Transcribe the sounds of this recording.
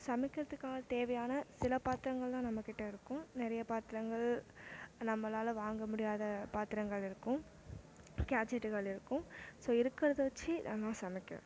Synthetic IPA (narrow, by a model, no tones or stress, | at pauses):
sɐmɪkʲːɪɾɐðɯkːaːɣɐt̪eːʋɐjaːnɐsɪlɐpaːt̪ɪɾɐŋɡɐɭt̪ãːnɐmːɐkːɪʈːɐɪɾɯkːʊ̃nɪɾɐjɐpaːt̪ɪɾɐŋɡɐɭ | nɐmːɐlaːlɐʋaːŋɡɐmʊɽɪjaːðɐpaːt̪ɪɾɐŋɡɐɭɪɾɯkːʊ̃ | kaːt͡ʃɛʈːɯɣɐɭɪɾɯkːʊ̃soːɪɾɯkːɪɾɐðɯʋɐt͡ʃːɯðã̰ːlãːsɐmɪkʲːɐ̰ʋ̰̃